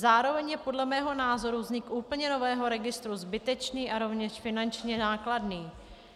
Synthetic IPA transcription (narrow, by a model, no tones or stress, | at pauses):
zaːɾo̞vɛɲjɛpo̞dlɛmɛːɦo̞naːzo̞ɾuvzɲɪkʔuːpl̩ɲɛno̞vɛːɦo̞ɾɛɡɪst̪ɾuzbɪt̪ɛt͡ʃniːʔaɾo̞vɲɛʃfɪnant͡ʃɲɛaːkladniː